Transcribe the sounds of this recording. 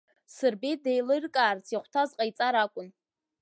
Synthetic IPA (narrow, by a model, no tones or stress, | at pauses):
sɨrbidejlɨrkʼaːrt͡sʰjiχʷtʰazqʼajt͡sʼaɾakʷʼʊn